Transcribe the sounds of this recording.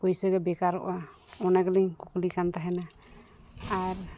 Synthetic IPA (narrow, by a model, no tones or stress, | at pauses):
pɔjsəɡɛbɛkaɾɔ̰ʔaɔnaɡəliɲkuklikant̪aɦɛnaː | ɾ